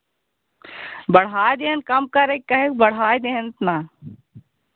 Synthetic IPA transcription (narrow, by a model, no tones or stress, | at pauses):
bɐɽ̤aːjd̪eːnkɐmkɐɾekkːɐɦekbɐɽ̤ɦaːjd̪eːnt̪naː